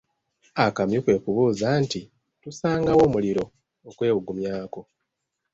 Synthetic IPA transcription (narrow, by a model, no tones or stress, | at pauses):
akamjokwe̞ːkuβuːzaːnti | tusaːŋɡawo̞ːmuliɾo̞ | okwe̞ːwuɡumjaːko̞